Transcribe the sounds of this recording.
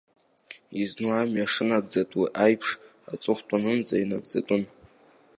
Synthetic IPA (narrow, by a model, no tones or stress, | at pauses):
iznuamɥaʂɨnaɡ̚d͡zatʼwiʔajpʰʂ | a̰t͡sʼʊχʷtʼanɨnd͡zʼainaɡ̚d͡zatʷʼʊn